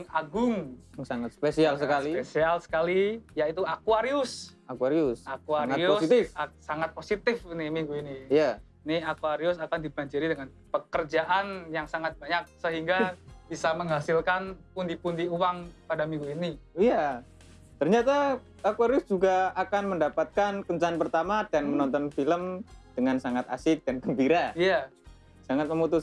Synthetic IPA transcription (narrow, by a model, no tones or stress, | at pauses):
ŋaɡʊŋŋsaŋat̪sə̥pesialsəkaliesialsə̥kalijait̪uakuaɾiʊsakuaɾiʊsakuaɾŋaʊosit̪ɪfasaŋat̪̚posit̪ɪfnɪmiŋɡuiniija | niakuaɾiʊsakandibaɲd͡ʒiɾidəŋan | pəkərd͡ʒaʔanjaŋsaŋat̪̚baɲak̚səɦiŋɡab̥isaməŋɦasɪlkanpund̪ipundiuwaŋpadamiŋɡuiniija | t̪ərɲat̪a | akwaɾiʊsd͡ʒuɡaakanməndapat̪̚kankəɲt͡ʃanpərt̪amadanmənɔnt̪ɔnfiləmd̥əŋansaŋat̪a̰sɪk̚d̥anɡəmbiɾaija | saŋat̪̚məmut̪ʊs